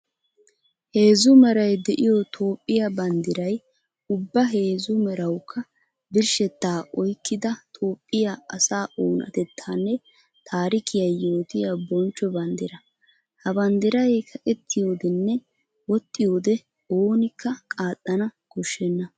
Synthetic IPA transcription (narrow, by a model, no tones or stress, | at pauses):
he̞ːzʊmɛɾɐjd̪ɛʔɪjɔt̪ʰo̞ːpʼːɪjɐbɐnd̪ɪɾɐj | ʊbːɐɦe̞ːzʊmɛɾɐwkʰːɐ | bɪɾʃɛt̪ːaːʔɔjkːɪd̪ɐt̪ʰʼo̞ːpʼːɪjaɐsaːʔoːnɐ̰t̪ɛt̪ʰːaːnːɛ | t̪ʰaːɾɪkʰɪjɐjːo̞ːt̪ɪjɐbɔnt͡ʃːɔbɐnd̪ɪɾɐ | hɐbɐnd̪ɪɾɐjkʰɐʔʼɛt̪ʰːɪjo̞ːd̪ɛnːɛ | wɔt̪ʼːɪjo̞ːd̪ɛ | oːnɪkːɐkʼaːt̪ʼːɐnɐkɔʃːɛnːɐ